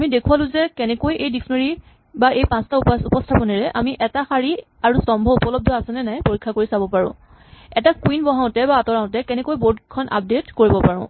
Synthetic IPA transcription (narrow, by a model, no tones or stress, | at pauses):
amidekʰualʊ̃zɛkɛnɛkojejdisnoɹi | baʔejpãnstaupɔstʰapɔnɛɹɛʔa̰miʔɛtaxaɹi | aɹusɔmbʱɔupɔlɔb̚dʱɔasɛnɛnajpoɹikʰːakoɹisabɔpaɹʊ̰̃ | ɛtakwinbɔɦaʊ̃tɛbaːtɔɹaʊ̃tɛkɛnɛkojbodkʰɔnʔa̰p̚detkoɹibɔpaɹʊ̃